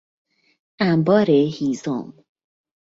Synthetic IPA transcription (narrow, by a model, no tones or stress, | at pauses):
æmbɒːɾehiːzo̰m